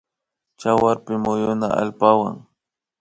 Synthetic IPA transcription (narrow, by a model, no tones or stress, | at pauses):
t͡ʃawaɾpɪmʊjʊna̰a̰lpawa̰ŋ